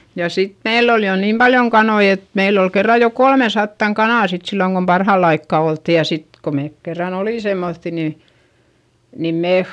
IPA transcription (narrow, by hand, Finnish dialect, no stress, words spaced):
jɑ sit meilː ol jo niːm b̥ɑljoŋ kɑnoi et meilː ol kerːɑ jo kolmesɑtːɑŋ kɑnɑˑ sit silːoŋ kom pɑrhɑˑlː ɑikːɑ oltːi jɑ sit ko meːk kerːɑn oliˑ semːoθːi ni nim meːh